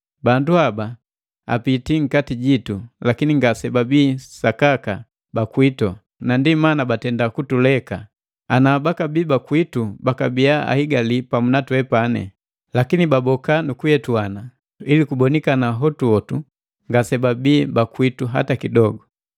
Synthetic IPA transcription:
banduaba | a̰pitiŋ̩katiɟitulakiniŋɡasɛbabiːsakaka | bakwitɔ | nandimanabatɛndakutulɛka | anaːbakabiːbakwitubakabiaa̰hiɡalipamunatwɛpanɛ̰ | lakinibabɔkanukujɛtuana | ilikubɔnikanaɦɔtuɔtu | ŋɡasɛbabiːbakwituɦa̰takidɔɡɔ

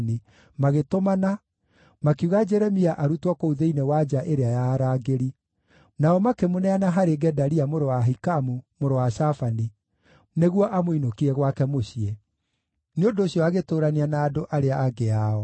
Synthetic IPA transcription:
ni | maɣetomana | makiuɣad͡ʒɛɾɛmiaʔaɾutwɔkouðeinewad͡ʒaʔeɾeajaːɾaːɡeɾi | naɔmakemonɛanaɦaɾeɡɛdaɾiamoɾowaɦikamumoɾowaɕafani | neɣwɔʔamoinokiɾɛɣwakɛmoɕie | neondoːɕiɔaɣetoːɾaneanaːdoʔaɾeaːɡeaɔ

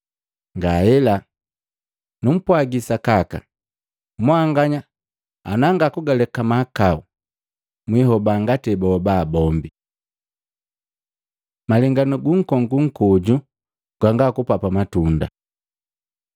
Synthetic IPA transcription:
ŋɡaɛla | num̩pwaɡisakaka̰ | mwaŋɡaɲa | a̰naŋɡakuɡalɛkamakau | mwiɦɔbaŋɡatɛbaɔbaːbɔmbi | malɛŋɡanuɡuŋ̩kɔŋɡuŋ̩kɔɟu | ɡ̥waŋɡakupapamatunda̰

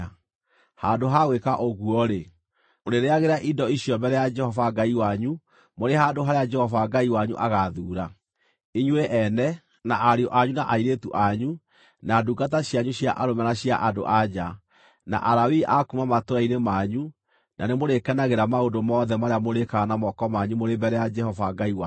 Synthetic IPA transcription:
handoɦaɣwekaʔoɣuɔɾe | oɾeɾeaɣeɾaʔindɔiɕjɔmbɛɾɛjad͡ʒɛhɔvaɡaiwaɲu | moɾehadoɦaɾead͡ʒɛhɔvaɡaiwaɲṵʔaɣaðuɾa | iɲweʔɛnɛ | naʔaɾiɔʔaɲunaʔaiɾetuʔaɲu | naduɡataɕjaɲuɕjaʔaɾomɛnaɕjaʔado̰ʔad͡ʒa | na̰ʔaɾawiʔakumamatoɾainemaɲu | nʔa̰nemoɾekɛnaɣeɾamaondomɔːðɛmaɾeamoɾekanamɔkɔmaɲumoɾebɛɾɛjad͡ʒɛhɔvaɡaiwa

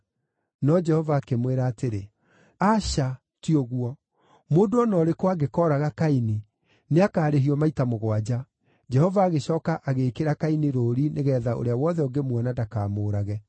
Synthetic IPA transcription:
nɔd͡ʒɛhɔvaːkemweɾaːteɾe | aʃa | tiɔɣwɔ | moːdoɔnɔɾekwaɡekɔːɾaɣakaine | neakaːɾeɦiɔmaitamoɣwad͡ʑa | d͡ʒɛhɔvaːɣeɕɔːkaʔaɣeːkeɾakaineɾoːɾineɣɛːðao̰ɾeawɔðɛɔɡemwɛnadakaːmoːɾaɣɛ

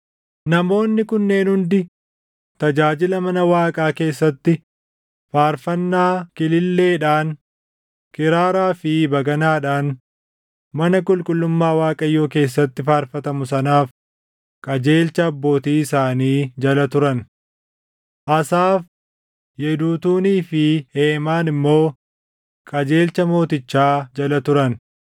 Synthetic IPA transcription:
nɐmo̞ːnːɪkʊnːe̞ːnhʊnd̪ɪ | t̪ɐd͡ʒaːd͡ʒɪlɐmɐnɐwaːkʼaːke̞ːsːɐt̪ːɪ | faːɾfɐnːaːkɪlɪlːe̞ːᶑaːn | kɪɾaːɾaːfɪbɐɡɐnaːᶑaːn | mɐnɐkʼʊlkʼʊlːʊmːaːwaːkʼɐjːo̞ːke̞ːs̬ːɐt̪ːɪfaːɾfɐt̪ɐmʊsɐnaːf | kʼɐd͡ʒe̞ːlt͡ʃɐːbːo̞ːt̪iːɪsaːniːd͡ʒɐlɐt̪ʊɾɐn | ʔɐsaːf | jɛd̪uːt̪uːniːfɪheːmaːnɪmːo̞ː | kʼɐd͡ʒe̞ːlt͡ʃɐmo̞ːt̪ɪt͡ʃːaːd͡ʒɐlɐt̪ʊɾɐn

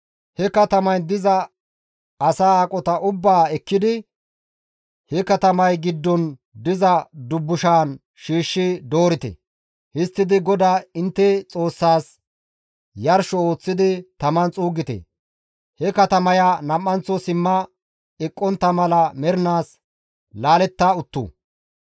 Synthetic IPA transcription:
hɛkɐt̪ɐmɐjd̪ɪzɐ | ɐsaːaːkʼɔt̪ɐʔʊbːaːɛkːɪd̪ɪ | hɛkɐt̪ɐmɐjɡɪd̪ːɔn | d̪ɪzɐd̪ʊbːʊʃaːn | ʃiːʃːɪd̪oːɾɪt̪ɛ̰ | hɪst̪ːɪd̪ɪɡɔd̪aːɪnt̪ːɛt͡sʼo̞ːsːaːs | jɐɾʃɔo̞ːt͡sːɪd̪ɪt̪ɐmɐnt͡sʼuːɡɪt̪ɛ̰ | hɛkɐt̪ɐmɐjanɐmːɐnt͡sːɔsɪmːɐ | ɪkʼːɔnt̪ːɐmɐlɐmɛɾɪnaːs | laːlɛt̪ːaʊt̪ːṵː

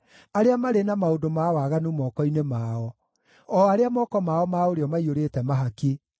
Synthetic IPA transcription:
aɾeamaɾenamaodomawaɣanumɔkɔinemaːɔ | ɔaɾeamɔːkɔmaɔmaoɾeɔmaioɾetɛmaɦake

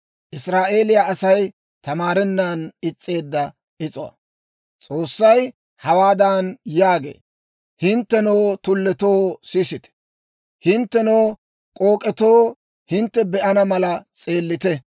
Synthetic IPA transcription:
ʔɪsɾaːʔe̞ːlɪjaɐsɐj | t̪ɐmaːɾɛnːaːnɪt͡sʼːe̞ːd̪ːɐ | ʔɪt͡sʼɔwɐ̰ | t͡sʼo̞ːsːɐj | hɐwaːd̪aːnjaːɡḛː | hɪnt̪ːɛnoːt̪ʊlːɛt̪oːsɪsɪt̪ɛ̥ | hɪnt̪ːɛnoː | kʼo̞ːkʼɛt̪o̞ː | hɪnt̪ːɛbɛʔɐnɐmɐlɐt͡sʼe̞ːlːɪt̪ɛ

